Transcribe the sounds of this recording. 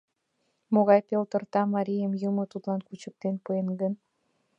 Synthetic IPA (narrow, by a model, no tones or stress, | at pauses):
moɣɑjpelt̪ərt̪ɑmɑɾʲijəmjəmot̪ut̪lɑnkut͡ɕək̚t̪enpəenɡən